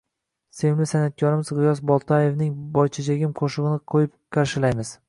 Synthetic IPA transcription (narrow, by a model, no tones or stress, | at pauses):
se̞mlɪsanat̪̚kʲʰɒɾɪmɪzʁɨjɒsbɒlˠt̪ʰaje̞vnɪŋbɒjt͡ʃʰad͡ʒaɡʲɪmqʰoʃɨʁɨnɪqʰojɪp̚qʰaɾʃɪlajmɪz̥